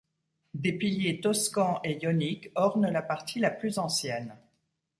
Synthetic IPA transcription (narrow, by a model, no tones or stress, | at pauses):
d̪epiljet̪ɔskɑ̃ʔejɔnikɔʁnəlapaʁt̪ʰilaplyzɑ̃sjɛn